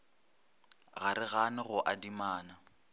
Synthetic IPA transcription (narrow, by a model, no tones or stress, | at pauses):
ɣaɾɪɣanɪɣʊʔadimaːna